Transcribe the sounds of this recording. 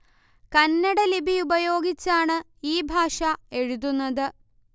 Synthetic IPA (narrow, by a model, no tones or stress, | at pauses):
kɐnːɐɽɐlibiubɐjo̞ːɡit͡ɕːaːɳɨ | iːbʱaːʂɐe̞ɻud̪unːɐðɨ